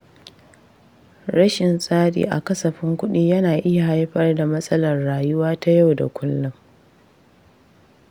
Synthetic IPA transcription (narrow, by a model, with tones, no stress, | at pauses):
ɾɐ˦ʃɪ˨nsʼaː˦ɗḭː˨ʔa̰˨kɐ˦sɐ˨ɸɪ˦ŋkʷʊ˦ɗiː˦jɐ˦naː˨ʔɪ˦ja˨ha˦jɸɐ˦rda˨mɐ˦sʼɐ˦lɐ˨rːaː˨jʊ˦waː˦ta˦ja˦˨wda̰˨kʷʊ˦lːʊ˦m